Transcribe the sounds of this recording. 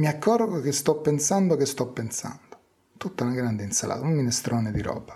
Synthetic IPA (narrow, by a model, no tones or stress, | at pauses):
miakʰːɔrɡokest̪ɔpːensand̪okest̪ɔpːensa̰nd̪o | t̪ut̪ːanaɡɾand̪einsala̰ːt̪umːinɛst̪ɾoːned̪iɾɔ̰ːbḁ